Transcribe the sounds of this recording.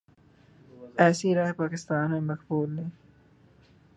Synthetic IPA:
ɛːsiɾaːɦpaːkɪst̪aːnmẽmɐqbuːlːeː

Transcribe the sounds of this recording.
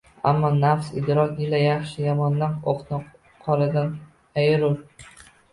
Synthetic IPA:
a̰mːɒnafsɪ̰d̪ɾɒkʲɪlajɑχʃɪjɒmɒnːanoq̪nɪ | qʰɒlˠɪd̪an | ajɾʊl

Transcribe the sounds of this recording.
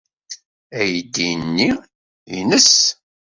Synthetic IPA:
æjd̪ːinːi | inəs

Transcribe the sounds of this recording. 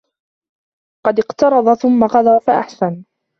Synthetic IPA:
qɑd̪ɪqt̪ɑɾˤɑd̪ˤɑθʊmːaqɑd̪ˤaːfaʔa̰ħsan

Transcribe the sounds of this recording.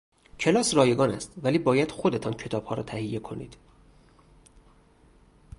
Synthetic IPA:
cʰe̞lɒːsrɒːje̞ɡɒːnæst̪væliːbɒːjæd̪̥xod̪e̞t̪ʰɒːncʰe̞t̪ʰɒːb̥hɒːɾɒːt̪ʰæhijːe̞kʰo̞̰nḭːd̪̥

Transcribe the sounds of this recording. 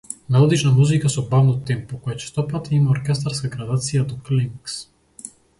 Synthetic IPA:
naɔd̪it͡ʃnamuzikasɔbavnɔt̪ɛmpɔkɔjɛt͡ʃɛ̥st̪ɔpat̪imaɔɾkʲɛst̪aɾskaɡɾad̪at̪sijad̪ɔkliŋks

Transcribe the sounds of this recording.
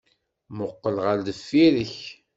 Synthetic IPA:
mʊqːəlʁald̪əfːiɾəç

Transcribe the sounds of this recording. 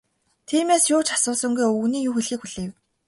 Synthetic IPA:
t̪ʰiːmeːsjʊːt͡ɕḁsʊːsə̆ŋɡujɵɣniːjuːxeɮxiːkxuɮ̥eːw

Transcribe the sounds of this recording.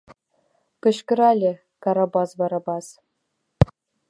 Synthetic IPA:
pɘ̆ɕkɘ̆ɾɑlʲɘ̆ | kɑɾɑbɑsʋɑɾɑbɑs

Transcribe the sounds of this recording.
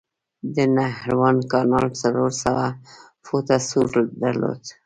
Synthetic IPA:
d̪ənahɾwɑnkɑnɑlsaloɾsawa | fot̪asuʈd̪aɾlo̰d̪̥

